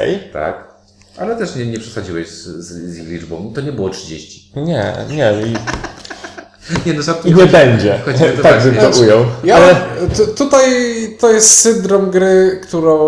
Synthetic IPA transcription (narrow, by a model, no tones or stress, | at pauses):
ɛ̰jt̪a̰k | ʔalɛt̪ɛʂɲɛɲɛpʂɛ̥sad͡ʑiwɛɕzzzʲjixlʲid͡ʐbɔ̃w̃it̪ɔɲɛbɘwɔtʂɨd͡ʑeɕt͡ɕi̥ɲɛ̰ɲɛi | ɲɛnɔzat̪t̪iɲɛbɛɲd͡ʑɛkɔt̪aɡ̚bɘɡ̪ɔʔujɔwjaalɛt̪t̪ut̪ajt̪ɔjɛst̪sɘnd̪ɾɔmɡɾɘkt̪uɾɔ̃